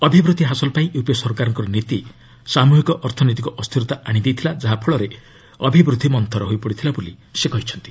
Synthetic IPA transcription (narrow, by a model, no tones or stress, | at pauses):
ɔbʱibɾud̪ʱiɦasɔlpaĩʔepɔsɔɾkaɾɔŋkɔɾɔnit̪i | samuɦikɔʔɔɾt̪ʰɔnot̪̬ikɔʔɔst̪ʰiɾɔt̪aʔaɽ̃id̪ejt̪ʰilad͡ʒaɦapʰɔɭɔɾe | ɔbʱibɾud̪ʱːimɔnt̪ɔɾɔɦojpɔɽit̪ʰilabolisekɔɦit͡ʃʰɔnt̪i̥